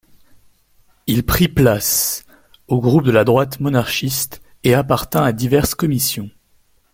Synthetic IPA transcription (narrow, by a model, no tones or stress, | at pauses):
ilpχiplas | oɡʁup̚d̪əlad̪ʁwat̪mɔnaʁʃist̪ | eapaʁt̪ɛ̃ad̪ivɛʁskɔmisjɔ̃